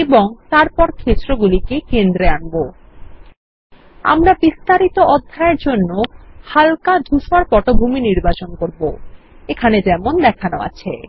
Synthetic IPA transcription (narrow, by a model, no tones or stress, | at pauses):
eboŋt̪aɾpɔɾkʰet͡ɕɾoɡulikekend̪ɾeanbo | a̰mɾabist̪aɾit̪oʔɔd̪ʱːaeɾd͡ʑonːohalkad̪ʱuʃaɾpɔʈobʱuminiɾbat͡ɕonkoɾbo | ekʰaned͡ʑɛmond̪ɛkʰanoa̰t͡ɕʰe